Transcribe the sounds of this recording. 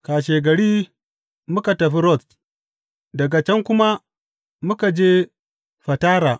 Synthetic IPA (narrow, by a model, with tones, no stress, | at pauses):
kaː˨ʃeː˨ɡɐ˨ɽiː˦ | mʊ˦ka˨tɐ˨ɸi˦ɾɔ˦˨s | dɐ˨ɡa˨t͡ʃɛ˦ŋkʷʊ˦ma˦ | mʊ˦ka˨d͡ʒeː˦ | ɸɐ˨taː˦ɾaː˨